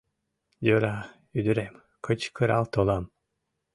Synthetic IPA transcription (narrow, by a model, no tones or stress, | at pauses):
d͡ʒøɾa | yd̪yɾɛm | kʰɯt͡ʃkʰɯɾa̰lˠt̪ʰolˠam